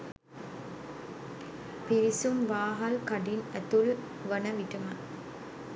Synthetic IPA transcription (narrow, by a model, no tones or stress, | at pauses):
piɾisumʋaːɦɐlkɐɖinɛt̪ul | ʋɐnɐʋiʈɐmɐ